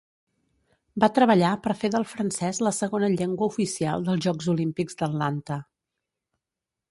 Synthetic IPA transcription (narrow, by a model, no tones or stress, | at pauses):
bat̪ɾəβəʎapəɾfeðəlˠfɾənsɛzləsəɣonəʎeŋɡwəufisia̰lˠd̪əlˠzʒɔɡzulimpiɡzd̪əllant̪ə